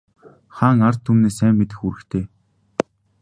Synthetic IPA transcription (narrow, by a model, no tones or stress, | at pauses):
χaːŋar̥t̪ʰːumneːsæːmːet̪̬ɘ̆xuɾɘ̆kt̪ʰeː